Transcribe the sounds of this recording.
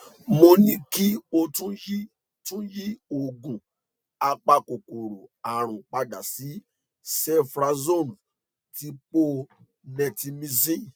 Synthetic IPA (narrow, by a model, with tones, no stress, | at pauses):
mo˧nĩ˧˦ki˦o˧tũ˦ji˦ | tũ˦ji˦o˨ɡũ˨ | a˧k͡pa˧ko˨ko˨ɾo˨a˨ɾ̃ũ˨k͡pa˧da˨si˨˦ | sɛ˦fɾa˧zo˦˨m˨ | ti˧˦k͡po˧ | nɛ̃˨˧ti˧mĩ˦˧si˦˨